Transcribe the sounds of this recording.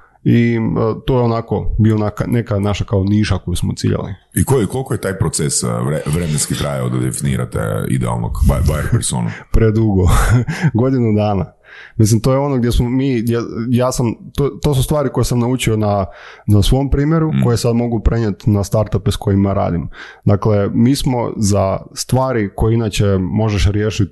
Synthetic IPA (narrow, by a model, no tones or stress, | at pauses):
iət̪o̞jeonako̞bionakane̞kanaʃakaoniːʃako̞jusmot̪ḭʎa̰lḭ | ikojko̞lkojet̪ajpɾot̪sesɾeʋɾemenskit̪ɾʔajaod̪ad̪ḛfinḭːɾa̰t̪ḛḭd̪ɛa̰lˠnokbajeɾpeɾso̰nṵpɾed̪uɡoɡo̞d̪inud̪aːna | mislimt̪o̞jeo̞noɡd̪jesmomiːd̪jejaːsamt̪ot̪os̬ust̪ʋaːɾiko̞jesamnaut͡ʃio̞nanasʋo̞mpɾiːmjeɾuko̞jesad̪mo̞ɡupɾeɲet̪nast̪aɾt̪apesko̞jimjaɾa̰ːd̪im | d̪aklemiːsmo̞̰zast̪ʋaːɾiko̞jeinaːt͡ɕemo̞ʒeʃɾjeːʃit̪̚